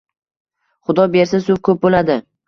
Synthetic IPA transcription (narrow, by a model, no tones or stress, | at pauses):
χʊd̪ɒbe̞ɾsasʊfkʰɵp̚bolad̪ɪ